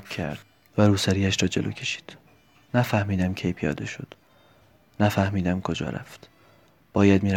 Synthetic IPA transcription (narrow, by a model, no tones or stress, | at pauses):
æ̰ɾd̪̥ | væɾuːsæɾiːæʃɾɒːd͡ʒelʔoːcʰe̞ʃi̥ːd̪̥ | næfæhmiːd̪æmcʰe̞jpʰijɒ̰ːd̪e̞ʃod̪̥ | næfæhmiːd̪æmkʰo̞d͡ʒɒ̰ːɾæ̰ft̪ | b̥ɒːjæd̪miːɾ